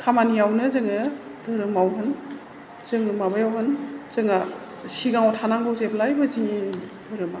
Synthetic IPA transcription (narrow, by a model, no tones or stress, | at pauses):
kʰamanijawnɯzɯŋɯ | dɯɾɯmawɦɯn | zɯŋɯmabajawɦɯnz̥ɯŋa | siɡaŋotʰanaŋbɯwzeplajbɯziŋid̥ɯɾɯma